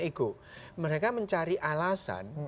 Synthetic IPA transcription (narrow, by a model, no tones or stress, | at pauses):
iku | məɾekaməɲt͡ʃaɾiʔalasa̰n